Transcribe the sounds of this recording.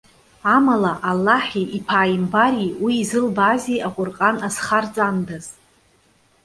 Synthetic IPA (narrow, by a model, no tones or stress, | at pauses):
amalaʔalːaħiʔipʰaːjimbaɾiwiːzɨlbaziʔaqʷʼʊrqʼanasχart͡sʼandaz̥